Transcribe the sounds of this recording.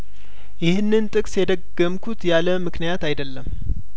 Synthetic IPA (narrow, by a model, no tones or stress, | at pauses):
jɪhɨnːɨnt̪ʼɨkʼsjɛd̪əɡːəmkʰut̪jaləmɨknijat̪ajd̪əlːəm